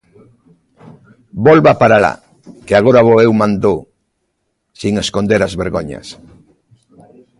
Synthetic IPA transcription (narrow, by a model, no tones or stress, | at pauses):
bolβapaɾala̰ | keaɣoɾaβɔewmãnd̪o | siŋeskond̪eɾazβeɾɣoɲɐ̰s